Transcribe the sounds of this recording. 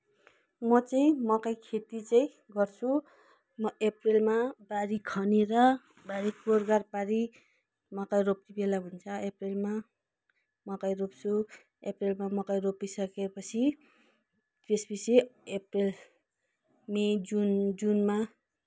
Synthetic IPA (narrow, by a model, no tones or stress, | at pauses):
mʌt͡saĩmʌkajkʰet̪it͡saĩ | ɡʌrt͡sʰu | mʌeprelmabaɾikʰʌneɾʌ | baɾikorɡarpaɾi | mʌkajroptibelaɦunt͡sʰʌeprelma | mʌkajropt͡sʰu | eprelmamʌkajropisʌkepʌt͡sʰi | t̪esbiseeprel | med͡zund͡zunma